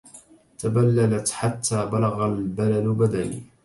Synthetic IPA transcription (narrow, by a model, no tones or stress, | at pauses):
t̪abalːalat̪ħat̪ʰːaːbalaɣalbalalbad̪anḭː